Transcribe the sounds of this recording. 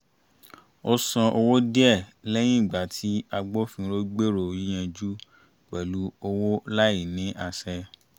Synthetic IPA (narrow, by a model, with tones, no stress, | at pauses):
o˧sã˧ʔo˧wo˦di˦ɛ˦˨lɛ˦j̃ĩ˦˨ɡ͡ba˨tʰi˨˦a˧ɡ͡bo˦fĩ˧ɾo˦ɡ͡be˦ɾo˨ĩ˦j̃ɛ̃˧d͡ʒu˦ | k͡pɛ˨lu˨˦o˧wo˦la˦ji˦˨nĩ˨˦ʔa˧sɛ˧